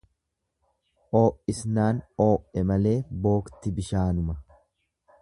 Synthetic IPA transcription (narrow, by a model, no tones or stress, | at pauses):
ʔo̞ːʔɪsnaːno̞ːʔɛmɐle̞ːbo̞ːkt̪ɪbɪʃaːnʊmɐ